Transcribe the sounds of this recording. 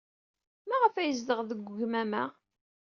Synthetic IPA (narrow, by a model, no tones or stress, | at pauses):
mæʁəfæjəzd̪əʁðəɡʷʝmæmæ̰